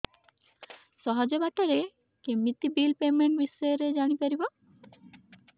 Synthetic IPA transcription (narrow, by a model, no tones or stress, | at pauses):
sɔɦɔd͡ʒɔbaʈaɾe | kemit̪ibilpemeɳʈ̚bisɔjɔɾed͡ʒaɽ̃ipaɾibɔ